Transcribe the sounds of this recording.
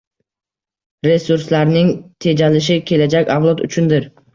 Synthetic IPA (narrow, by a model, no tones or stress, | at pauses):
ɾe̞suɾslaɾnɪŋt̪ʰe̞d͡ʒalɪʃ̬ɪkʲʰe̞lad͡ʒakʲavlˠɒt̪ʊ̰t͡ʃʰʊnd̪ɪɾ